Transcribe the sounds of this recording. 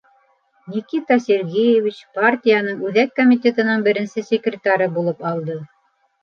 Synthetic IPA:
nʲikit̪asʲeɾɡʲijevʲit͡ɕpart̪ʲijanɤɴʉðækːomʲit̪ʲet̪ɤ̆nɤɴbɘ̆ɾɘ̆nsɘsʲɪkrʲɪt̪ɑɾɤbulˠɤpɑlˠd̪ɤ

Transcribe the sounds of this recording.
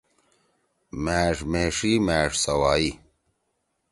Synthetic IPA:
mæːʂmeːʂiːmaːʂsɐwaːi

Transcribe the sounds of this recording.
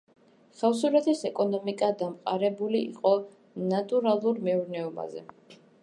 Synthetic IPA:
χɛfsuɾɛt̪ʰisɛkʼɔnɔmikʼad̪amqʼaɾɛbulḭːqʼɔ | nat̪ʼuɾalˠuɾmɛuɾnɛɔba̰zɛ̰

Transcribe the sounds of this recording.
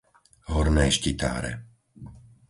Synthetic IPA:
ɦɔɾnɛːʃcit̪a̰ːɾɛ̰

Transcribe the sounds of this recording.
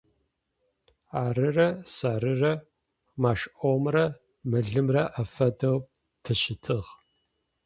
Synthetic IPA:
aːɾɨrɐsaːɾɨrɐ | maːʃʔomrɐ | mɨɮɨmrɐʔafɐdɐw | tʰɨʃɪtʰɨʁ

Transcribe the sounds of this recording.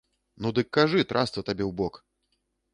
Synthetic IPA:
nud̪ɨkːaʐɨt̪ɾʔast̪vɐt̪abʲɛwbɔk

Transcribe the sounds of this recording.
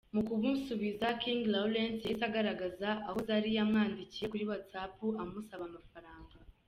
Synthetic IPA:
mukuβumsuβizakiŋɡlalensetaɡaɾaɡazaʔahozaɾijamŋaːndicije̞kuɾiwat͡sapuʔamusaβamafaɾaːŋɡa

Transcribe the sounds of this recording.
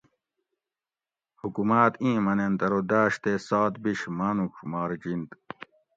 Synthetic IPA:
hukumaːt̪ĩːmɐnent̪ɐɾod̪aːɕt̪eːsaːt̪biɕmanukmaːɾd͡ʑint̪

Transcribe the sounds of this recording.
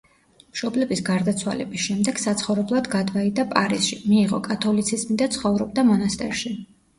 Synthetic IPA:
mʃɔblɛbisɡaɾd̪at̪sʰwa̰lɛ̰bisʃɛmd̪ɛɡ̥sat̪sʰχɔvɾɛblˠad̪ɡad̪vaid̪apʼaɾisʃimiːʁɔ̰kʼat̪ʰɔlit̪sʰizmid̪at̪sʰχɔvɾɔb̚d̪amɔnast̪ʼɛ̰ɾʃi

